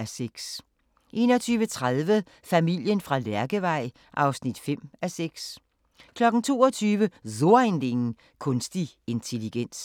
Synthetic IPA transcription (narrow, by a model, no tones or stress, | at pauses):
æseɡ̥s | ʔe̝ːnɒt͡sʰyːʋət͡sʰʁað̞ˠʋə | fæmil̰jənfʁɑ̈læɐɡ̥əʋɑ̈ɪ̰ | ʔɑ̈ʊsnid̥fem̰æseɡ̥s | kʰlɒ̽ɡ̥n̩t͡sʰo̝̰ːɒt͡sʰyːʋəðo̝ɐend̥e̝ŋ̩ | kʰɔ̽nsd̥i | e̝nt͡sʰe̝liɡ̥en̰s